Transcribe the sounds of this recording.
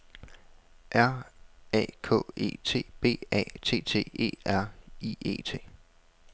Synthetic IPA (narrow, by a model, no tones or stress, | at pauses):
ʔæɐ̰ɛ̰ːkʰɔ̰̽e̝̰ːt͡sʰe̝̰ːb̥e̝̰ːɛ̰ːt͡sʰe̝̰ːt͡sʰe̝̰ːe̝̰ːæɐ̰ie̝̰ːt͡sʰe̝̰ː